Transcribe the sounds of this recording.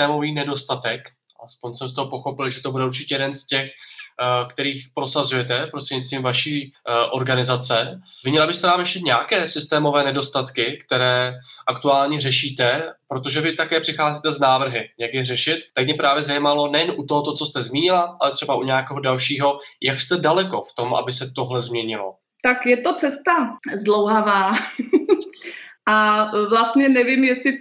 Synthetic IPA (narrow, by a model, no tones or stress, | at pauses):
t̪ɛːmo̞viːnɛdo̞st̪at̪ɛk | ʔa̰lɛspo̞ɲsɛms̬t̪oɦopo̞xo̞pɪlʒɛt̪o̞budɛuɾt͡ʃɪ̥cɛjɛdɛnscɛx | kt̪ɛɾiːxpɾo̞sazujɛt̪ɛpɾost̪r̥ɛɲit͡s̪viːmvaʃiːʔo̞ɾɡanɪzat͡sɛvɪɲɛlabɪst̪ɛnaːmjɛʃcɛt̪ɲɛakɛːsɪst̪ɛːmo̞vɛːnɛdo̞st̪at̪kɪkt̪ɛɾɛːʔakt̪uaːlɲɛrɛʃiːt̪ɛpɾo̞t̪oʒɛvɪt̪akɛːpr̥ɪxaːziːt̪ɛznaːvr̩ɦɪjaɡdɪr̝ɛʃɪt̪ːak̚mɛpɾaːvjɛzajimalo̞nɛjɛnʔut̪oɦot̪ot͡so̞st̪ɛzmiːɲɪlaʔa̰lɛt̪r̝̥ɛbaʔuɲɛjakɛːɦodalʃiːɦo̞jakst̪ɛdalɛko̞ft̪o̞mʔa̰bɪsɛt̪o̞ɦlɛzmɲɛɲɪlo̰ | t̪akjɛt̪ot͡sɛst̪azdlowɦavaː | ʔavlast̪ɲɛnɛvɪmjɛsɪ